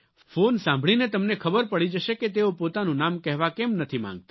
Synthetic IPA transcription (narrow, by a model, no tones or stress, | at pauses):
fonsãmbʱɭinet̪əmnekʰəbəɾpəɽid͡ʒəʃeket̪̬eopot̪anũnamkɛɦʋakɛmnət̪ʰimã̰ŋɡ̚t̪ḁ